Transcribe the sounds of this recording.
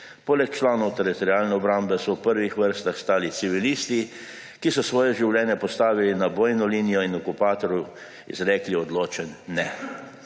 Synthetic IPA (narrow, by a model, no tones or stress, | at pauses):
poːlɛkt͡ʃlaːnɔwt̪ɛɾit̪ɔɾjaːlnɛɔbɾambɛsɔwpəɾʋixʋəɾst̪axst̪aːlit̪siʋiliːst̪i | kisɔsʋɔːjɛʒiwlʲɛːnjɛpɔst̪aːʋilinaboːjnɔlinijɔinɔkupaːt̪ɔɾju | ḭzɾɛːkliɔd̪loːt͡ʃɛnːɛ